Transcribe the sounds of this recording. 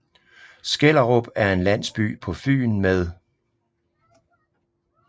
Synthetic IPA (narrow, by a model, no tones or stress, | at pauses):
sɡ̥el̰ɐʁob̥æɐe̝nlæn̰sb̥y̰ːpʰɒ̽fy̰ːnmeð̞ˠ